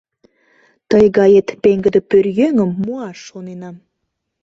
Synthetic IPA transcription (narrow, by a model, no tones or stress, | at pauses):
t̪əjɣɑjet̪peŋɡə̆d̪ə̆pørjøŋə̆mːuɑʃːonenɑm